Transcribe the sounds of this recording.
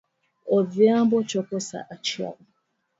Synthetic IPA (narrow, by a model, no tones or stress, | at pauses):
ɔdiabɔt͡ʃɔkɔsa̰ʔat͡ʃiɔ̰ʊ